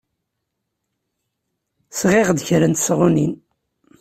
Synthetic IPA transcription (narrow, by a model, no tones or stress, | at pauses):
sʁeʁd̪çɾənt̪sʁunin